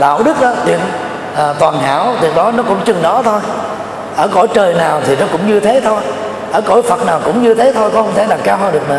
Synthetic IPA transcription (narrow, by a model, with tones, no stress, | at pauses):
ɗa̰ː˧˨wɗɨ˦˥k̚ʔɗɔ˨˦t̪ḭ˨˩ə | ʔəː˨˩t̪waː˨˩nɦa̰ː˧˩˥wt̪i˨˩ək̚ɗɔ˨˦nɔ˨˦kʊ̰˧˥ŋ͡mt͡ɕɨ˨˩ŋɗɔ˨˦t̪ʰo˧j | ʔəː˧˩ko̰˧˥˦jt͡ɕəː˨˩jnaː˨˩wt̪ʰi˨˩nɔ˨˦kʊ̰˧˥ŋ͡mɲɨ˧t̪ʰe˨˦t̪ʰo˧j | ʔəː˧˩ko̰˧˥˦jfə˨˩t̚naː˨˩wkʊ̰˧˥ŋ͡mɲɨ˧t̪ʰe˨˦t̪ʰo˧jkɔ˨˦hə˧ŋ͡mt̪ʰe˧˩ɗa˨˩ŋ̚kaː˧wɦəː˧ɗɨ˨˩kma˨˩